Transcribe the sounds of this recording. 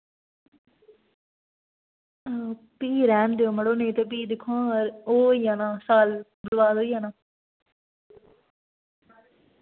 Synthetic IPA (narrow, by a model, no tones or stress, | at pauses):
piːɾɛːmd̪eoːməɽoːnẽːt̪eːp̬iːd̪ɪkʰːõːɾoːjãːnãːsaːlbəlʋaːd̪oːiːaːnãː